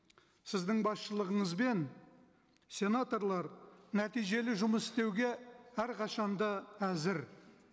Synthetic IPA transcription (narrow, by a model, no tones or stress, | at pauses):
sɪzd̪ɪŋbɑsʃəlˠəʁəɴəzbe̞n | sʲe̞nat̪o̞rlˠɑɾnæt̪ijʒe̞lɪʒʊməsɪ̥st̪e̞wɡʲe̞æɾqʰɑʃɑnd̪ɑæzɪɾ